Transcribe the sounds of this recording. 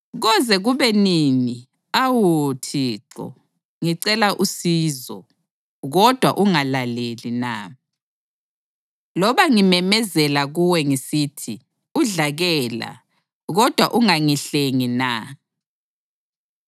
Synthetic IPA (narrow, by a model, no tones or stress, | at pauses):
ɣɔzɛɣuβɛnini | awutʰiǁɔ̰ | ŋiǀɛlaʔusizɔ̰ | ɣɔd̥ʱwaʔuŋalalelina̰ | lɔβaŋimɛmɛzɛlaɣuwɛŋisitʰi | uɮaɣɛla̰ | ɣɔd̥ʱwaʔuŋaŋiɬeŋina